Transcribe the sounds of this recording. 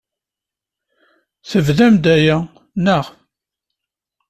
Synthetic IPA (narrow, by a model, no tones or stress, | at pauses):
θəvðæmd̪æjæ | nəʁ